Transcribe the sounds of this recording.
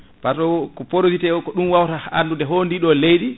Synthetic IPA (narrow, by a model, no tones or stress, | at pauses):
baɾtɔkɔpoɾozitɛɔkɔɗumwawtahaalːundɛɦondiɗɔlejɗi